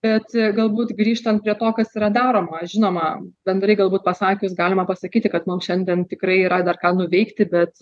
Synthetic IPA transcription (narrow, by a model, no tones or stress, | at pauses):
b̥ʲɛt̪ɡɐlˠbuːt̪ɡɾʲiːʃt̪ɐnt̪pɾʲiɛt̪oːkɐsiːɾɐd̪ɑːɾoːmɐʒʲɪnoːmɐbʲɛnd̪rɐɪɡɐlˠbuːt̪̚pɐsɑːkʲʊsɡɑːlʲɪmɐpɐsɐkʲiːt̪ʲɪkɐt̪mʊmʃʲɛnʲd̪ʲiɛnt̪ʲɪkrɐɪiːɾɐd̪ɐrkɑːnʊʋʲɛɪkt̪ʲɪbʲɛt̪